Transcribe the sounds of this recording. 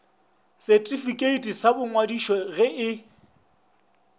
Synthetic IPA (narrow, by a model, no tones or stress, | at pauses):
sɛtʼifikʼeitʼisabʊŋwadiʃɔɣɪɪ